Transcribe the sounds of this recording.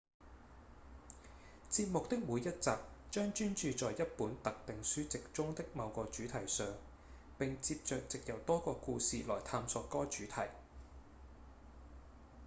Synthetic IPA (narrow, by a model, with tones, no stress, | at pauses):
t͡siː˧p̚mʊ˨k̚t̪ɪ˥k̚muː˨˧jɐ˥t̚t͡saː˨˧p̚t͡ʃœː˥ŋt͡ʃyː˥nt͡ʃyː˧t͡sɔː˨jjɐ˥t̚puː˨˥nt̪ɐ˨k̚t̪ɪ˨ŋsyː˥t͡sɪ˨k̚t͡ʃʊ˥ŋt̪ɪ˥k̚mɐ˨˧wkɔː˧t͡ʃyː˨˥t̪ʰɐ˨˩jsœː˨ŋ | pɪ˨ŋt͡siː˧p̚t͡ʃœː˧k̚t͡sɪ˨k̚jɐ˨˩wt̪ɔː˥kɔː˧kuː˧siː˨lɔː˨˩jt̪ʰaː˧msɔ˧tkɔː˥t͡ʃyː˨˥t̪ʰɐ˨˩j